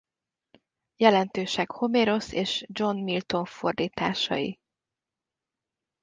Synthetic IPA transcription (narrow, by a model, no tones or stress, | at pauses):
jɛlɛnt̪øːʃɛkho̞meːɾo̞seːʃd͡ʒo̞nmilt̪o̞ɱfo̞rd̪iːt̪aːʃɒ̰jḭ